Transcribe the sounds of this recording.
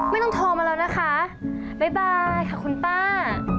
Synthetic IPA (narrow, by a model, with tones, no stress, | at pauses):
ma˥˩jt̪ɔ˥ŋt̪ʰoː˧maː˧ɾa˧wna˦˥kʰa˦˥ | ba˧˩jbaː˧jkʰa˥˩kʰu˧nt̪aː˥˩